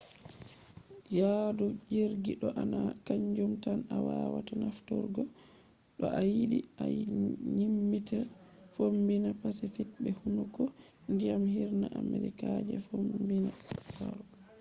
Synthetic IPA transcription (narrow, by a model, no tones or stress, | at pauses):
jadud͡ʒiɾɡiɗɔʔanakaɲd͡ʒumtanawawatanaftɔɾɡɔ | ɗɔʔajiɗiaɲimːitafombinapasifit̚bɛhunukɔ | ndijamhiɾnaʔamɛɾikad͡ʒɛ̰fombinakaɾɔ